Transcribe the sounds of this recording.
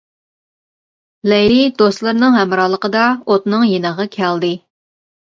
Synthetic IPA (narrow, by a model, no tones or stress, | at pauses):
lɛjɾid̪ost̪lˠɨɾnɨŋɦɛmɾɑːlˠəqəd̪ɑot̪nɨŋjenəʁɑkʲʰæld̪ɨ